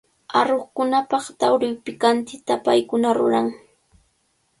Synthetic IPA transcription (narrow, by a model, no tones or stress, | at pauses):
aɾoχkʊnapɑχt̪awɾɪwpɪkant̪ɪt̪apa̰jkʊnaɾʊɾaŋ